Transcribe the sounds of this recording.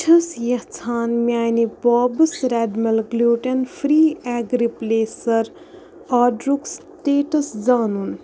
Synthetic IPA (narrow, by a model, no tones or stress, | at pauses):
t͡ʃʰɐsjɐht͡sʰaːnmiaːjnibɔːbɨsɾɛːɖmɐlɡluːʈɐnfɾiːɛːɡɾipleːsɐɾ | aːɖɾuks | ʈeːʈɐsd͡zaːnun